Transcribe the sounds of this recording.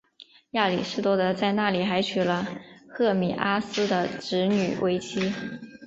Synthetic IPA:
ja˥˩li˨˩ʂɻ̩˥˩t̪wɔ˥d̪ə˧t͡sa˥˧ɪna˥˩li˨˩xa˧˥ɪt͡ɕʰy˨˩lə˦xɤ˥˩mi˨˩ʔa˥sɹ̩˥d̪ə˨ʈ͡ʂɻ̩˧˥ny̰˨˩wʔe˥ɪt͡ɕʰi˥

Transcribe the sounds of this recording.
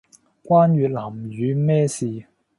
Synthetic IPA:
kwaː˥nɥyː˨˧t̚laː˨˩mjyː˨˧mɛː˥siː˨

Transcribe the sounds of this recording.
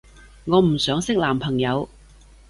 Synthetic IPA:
ŋɔː˨˧m̩˨˩sœː˨˥ŋsɪ˥k̚laː˨˩mpʰɐ˨˩ŋjɐ˨˧w

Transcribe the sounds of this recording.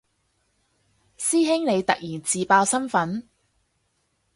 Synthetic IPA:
siː˥ɦɪ˥ŋne˨˧jt̪ɐ˨k̚jiː˨˩nt͡siː˨˧paː˧wsɐ˥nfɐ˨˥n

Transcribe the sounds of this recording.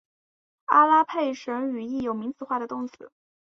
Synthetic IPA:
a˥la˥pʰe˥˩ɪʂə˧˥ŋy˨˩i˥˩jo˨˩ʊmi˧˥ŋt͡sɹ̩˨˩xwa˥˩ɾə˩t̪ʊ˥˩ŋt͡sʰɹ̩˨˧˦

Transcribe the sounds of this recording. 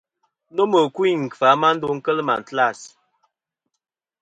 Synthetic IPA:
no˦mə˨kwi˦˨ŋ̩˨fa˨˦ma˦n̩˦do˦ŋ̩˦kə˦lma̰˨n̩˨tla˦˨s

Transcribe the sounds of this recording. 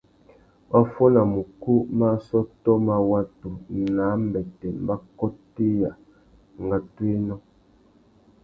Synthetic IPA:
ma˦fɔ˦na˨mu˨ku˦ma˦sɔ˦tɔ˦ma˦wa˦to˨naː˨˦m̩˦bɛ˨tɛ˨m̩˨ba˦kɔ˦ti˦ja˨ | ŋ˨ɡa˦twe˦nɔ˦

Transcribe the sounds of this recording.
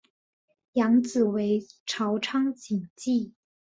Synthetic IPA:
jɑ˧˥ŋt͡sɹ̩˨˩we˧˥ɪʈ͡ʂʰɑ˧˥ʊʈ͡ʂʰɑ˥ŋt͡ɕi˨˩ŋt͡ɕi˥˩

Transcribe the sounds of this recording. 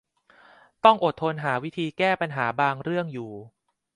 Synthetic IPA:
t̪ɔ˥˩ŋʔo˨˩t̪ʰːo˧nɦaː˩˦wi˦˥t̪ʰiː˧kɛː˥˩pa˧nɦaː˩˦baː˧ŋɾɯ˥˩əŋjuː˨˩

